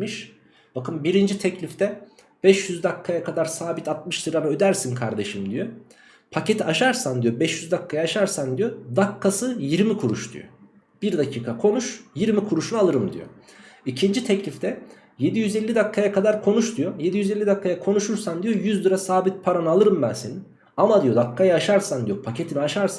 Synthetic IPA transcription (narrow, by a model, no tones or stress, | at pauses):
miʃ | b̥akɯmbiɾind͡ʒit̪ʰɛclʲift̪ʰɛ | b̥ɛʃjyzd̪akʰːajakʰad̪aɾsaːbit̪at̪̚mɯʃd̪ɯɾamaø̞d̪æɾsinkʰaɾd̪e̞ʃɯmd̪ijo | pʰace̞t̪ʰiaʃaɾsand̪ijobɛʃjyzd̪akʰːajaʃaɾsand̪ijod̪akʰːasɯjiɾmikʰuɾuʃd̪ṵjo̰ | b̥iɾd̪acʰiːkʰakʰo̞nuʃjiɾmikʰuɾuʃunalˠɯɾɯmd̪ḭjo̰ | icʰind͡ʒit̪ʰɛclʲift̪ʰɛ | je̞d̪ijyzelʲːid̪akʰːajakʰad̪aɾkʰo̞nuʃd̪yjoje̞d̪ijyzelʲːid̪akːajakʰo̞nuʃuɾsand̪ijo̞jyzd̪ɯɾasaːbit̪̚pʰaɾanɯalˠɯɾɯmbɛsin | amad̪ijo̞d̪akʰːajaaʃaɾsand̪ijo̞pʰace̞t̪ʰiniaʃaɾsan